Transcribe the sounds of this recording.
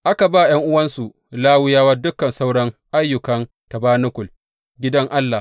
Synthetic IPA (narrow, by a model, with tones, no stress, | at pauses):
ʔa˦ka˨ba˦˨j̰ɐ˦ŋʔʊ˦wɐ˦nsu˨ʔ | laː˦wʊ˦jaː˦wɐ˦rdʊ˦kɐ˨nsa˦wɽɐ˦ŋʔa˦jːʊ˨kɐ˦n | tɐ˨baː˦nʊ˦kʷʊ˨l | ɡʲɪ˦dɐ˦ŋʔa˦lːa˨